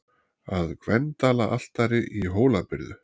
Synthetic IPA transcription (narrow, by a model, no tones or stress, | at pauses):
aðkvɛnt̪aːlaʔal̥t̪aɾɪʔiɦoːwlapɪɾðʏ